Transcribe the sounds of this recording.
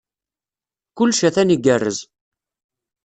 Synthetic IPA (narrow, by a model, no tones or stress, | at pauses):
kʊlːʃæθæniɡərːəz